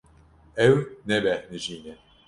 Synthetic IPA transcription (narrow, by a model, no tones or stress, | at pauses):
ɛwnɛbɛhnɨʒiːnɛ